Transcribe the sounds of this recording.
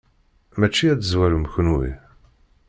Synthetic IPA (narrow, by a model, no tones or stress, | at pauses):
mæt͡ʃːiæt͡sːəzwæɾuməçənwḭ